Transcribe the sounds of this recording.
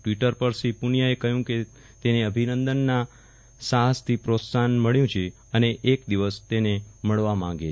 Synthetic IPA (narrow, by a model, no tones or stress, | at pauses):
ʈʋiʈəɾpəɾsipunijaekəɦjũke | t̪eneəbʱinənd̪ənːa | saɦəst̪ʰipɾot̪sanməɭjũt͡ʃʰe | əneʔːkd̪iʋəst̪eneməɭʋamãŋɡe